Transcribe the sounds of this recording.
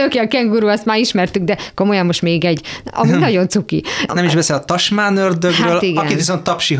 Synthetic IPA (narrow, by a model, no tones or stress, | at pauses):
oːkeɒkɛŋɡuɾuːɛst̪maːɾiʃmɛrt̪yɡd̪ɛko̞mojɒmːo̞ʃt̪meːɡɛɟɒ̰minɒɟo̞nt̪sukiɛmiʒbɛseːlɒt̪ɒʃmaːnørd̪øɡraøːlt̪iɡɒɛniviso̞nt̪ːɒpʃi